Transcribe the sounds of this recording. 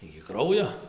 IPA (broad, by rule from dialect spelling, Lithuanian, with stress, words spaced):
ɪkʲɪ ˈkrɐʊjoː